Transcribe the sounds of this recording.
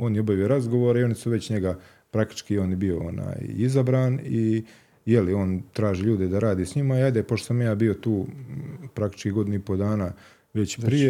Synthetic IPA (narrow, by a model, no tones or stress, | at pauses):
o̞ːnjeobaʋijo̞ɾazɡo̞ʋoːɾaio̞nisuʋe̞t͡ɕɲeɡa | pɾak̚t̪i̥t͡ʃkio̞ːnjbio̞o̰na̰ːjizabɾaːni | jelio̞ːnt̪ɾaːʒiːʎuːd̪ed̪aɾaːd̪iːsɲimaiajd̪epot̪osamjaːbio̞t̪uː | pɾakt̪it͡ʃkiɡo̞d̪inuipo̞d̪aːnaː | ʋe̞t͡ɕpɾije